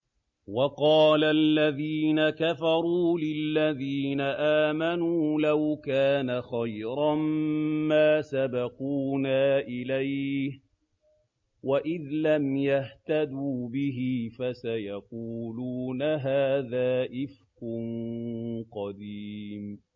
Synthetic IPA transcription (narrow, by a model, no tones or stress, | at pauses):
wɑqɑːlalːaðiːnakafɑɾˤuːlɪlːaðiːnaʔaːmanuːlawkaːnaxajɾammaːsabɑquːnaːʔɪlajh | waʔɪðlamjaht̪ad̪uːbɪɦɪfasajɑquːluːnaɦaːðaːʔɪfqʊn | qɑd̪iːm